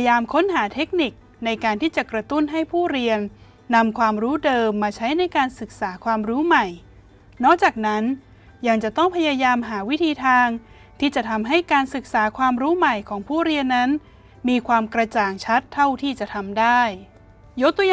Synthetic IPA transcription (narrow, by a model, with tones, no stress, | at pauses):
jaː˧mkʰo˦˥nɦaː˩˦t̪ʰe˦˥k̚ni˨˩k̚ | na˧jkaː˧nt̪ʰiː˥˩t͡ɕa˨˩kɾa˧t̪u˥˩nɦa˥˩jpʰuː˥˩ɾi˧ənː | a˧mkʰwaː˧mɾuː˦˥dɤː˧mːaː˧t͡ɕʰa˦˥jna˧jkaː˧nsɯ˨˩k̚saː˩˦kʰwaː˧mɾuː˦˥ma˨˩j | nɔː˥˩k̚t͡ɕaː˨˩k̚na˦˥n | ja˧ŋt͡ɕa˨˩t̪ɔ˥˩ŋpʰa˧jaː˧jaː˧mɦaː˩˦wi˦˥t̪ʰiː˧t̪ʰaː˧ŋ | t̪ʰiː˥˩t͡ɕa˨˩t̪ʰa˧mɦa˥˩jkaː˧nsɯ˨˩k̚saː˩˦kʰwaː˧mɾuː˦˥ma˨˩jkʰɔː˩˦ŋpʰuː˥˩ɾi˧ənːa˦˥n | miː˧kʰwaː˧mkɾa˧t͡ɕaː˨˩ŋt͡ɕʰa˦˥t̪ʰːa˥˩wt̪ʰiː˥˩t͡ɕa˨˩t̪ʰa˧mdaː˥˩j | jo˦˥k̚t̪u˧j